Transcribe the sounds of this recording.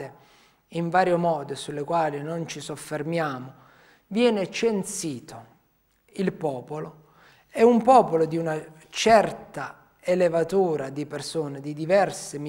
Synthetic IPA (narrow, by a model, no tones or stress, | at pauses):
e | iɱvaːɾjomɔːd̪osulːekwaːlinont͡ʃisofːermjaːmo | vjɛːnet͡ʃensiːt̪ʰo | ilpɔːpolo | ɛumpɔːpolod̪iuna | t͡ʃɛrt̪a | elevat̪uːɾad̪ipersoːned̪id̪ivɛrsem